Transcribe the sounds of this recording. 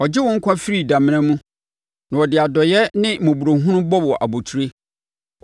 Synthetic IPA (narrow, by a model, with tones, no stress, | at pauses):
ɔ˨d͡ʑɪ˦wɔ̃˦ŋ̩˦kʷʰã˦fi˦ɾi˨dã˨mɪ̃˦nã˦mũ˦ | nã˨ɔ˨dɪ˨a˨dɔ˨jɛ˦nɪ̃˦mʊ̃˨bu˨ɾo˨ɦʊ̃˦nʊ̃˦bɔ˦bɔ˨ʔa̰˨bo˨tʰu˨ɾe˦